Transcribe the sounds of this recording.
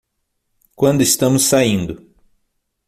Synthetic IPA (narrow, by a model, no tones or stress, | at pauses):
kwɐ̃nd̪ʊest̪ɐ̃mʊsːaĩnd̪ʊ